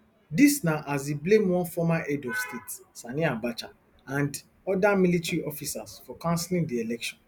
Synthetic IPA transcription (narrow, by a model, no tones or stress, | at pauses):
disnaʔaziblẽmwɔ̃nfɔmaʔɛdɔvstʰetsaniãbat͡ʃa | ãnd | ɔdamilitɹiʔɔfisasfɔkãnslĩŋdielɛkʃɔ̃n